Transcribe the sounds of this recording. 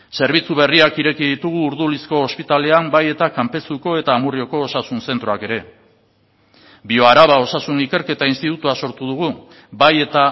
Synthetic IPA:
se̞ɾβ̞it͡suβe̞riakiɾe̞kiðit̪uɣ̞uːɾðulisko̞ːspit̪ale̞ambaje̞t̪akampe̞suko̞e̞t̪aːmurio̞ko̞ːsasunse̞nt̪ɾoake̞ɾe̞ | bio̞aɾaβao̞sasunike̞ɾke̞t̪ainst̪it̪ut̪uaso̞ɾt̪uð̞uɣu | baje̞t̪a

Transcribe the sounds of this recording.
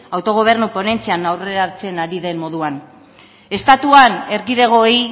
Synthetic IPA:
awt̪o̞ɣ̞o̞β̞e̞ɾnukone̞nt͡sianawre̞ɾat͡se̞naɾiðe̞mmo̞ðuan | e̞st̪at̪uane̞ɾɣiðe̞ɣ̞o̞i

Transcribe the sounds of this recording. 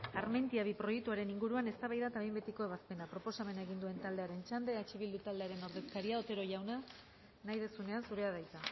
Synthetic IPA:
aɾment̪iaβipɾo̞jek̚t̪uaɾe̞niŋɡuɾuane̞st̪aβajðat̪aβejmbet̪iko̞e̞βaspe̞napɾo̞po̞same̞naeɣ̞ind̪ue̞nt̪ald̪e̞aɾe̞nt͡ʃand̪e̞at͡ʃiβild̪ut̪ald̪e̞aɾe̞no̞ɾðe̞skaɾiaot̪e̞ɾo̞ʝawna | najðe̞sune̞ansuɾe̞aðajt̪a

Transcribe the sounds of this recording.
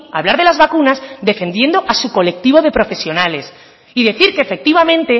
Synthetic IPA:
a̰βlaɾðe̞lazβakunazðe̞fe̞nd̪je̞nd̪o̞ʔasuko̞le̞k̚t̪iβ̞o̞ð̞e̞pɾo̞fe̞sjo̞nale̞s | iðe̞θiɾke̞ːfe̞k̚t̪iβ̞amẽnt̪e̞

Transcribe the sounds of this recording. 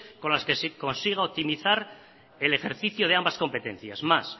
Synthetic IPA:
ko̞nlaskesko̞nsiɣ̞aop̚t̪imiθaɾ | e̞le̞xe̞ɾθiθjoð̞eambasko̞mpe̞t̪ẽ̞̰n̟θjasmas

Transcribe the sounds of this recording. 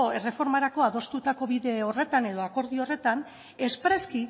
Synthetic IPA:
oere̞fo̞ɾmaɾako̞aðo̞st̪ut̪ako̞βiðe̞o̞re̞t̪aneð̞o̞ako̞ɾðio̞re̞t̪an | e̞spɾe̞ski

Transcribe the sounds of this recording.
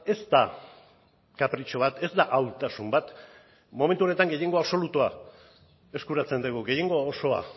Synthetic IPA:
e̞zt̪a | kapɾit͡ʃo̞βat̪e̞zd̪aʔawt̪asumbat̪ | mo̞me̞nt̪uone̞t̪aŋɡe̞je̞ŋɡo̞aβso̞lut̪ua | e̞skuɾat͡se̞nd̪eɣuɡe̞je̞ŋɡo̞oso̞a̰

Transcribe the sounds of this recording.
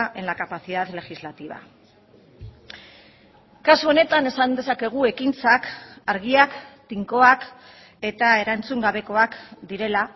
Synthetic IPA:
enlakapaθiðaðle̞xizlat̪iβ̞a̰ | kasuo̞ne̞t̪ane̞sand̪e̞sake̞ɣ̞ue̞kint͡sakaɾɣ̞iakt̪iŋko̞ak | e̞t̪ae̞ɾant͡suŋɡaβe̞ko̞akd̪iɾe̞la

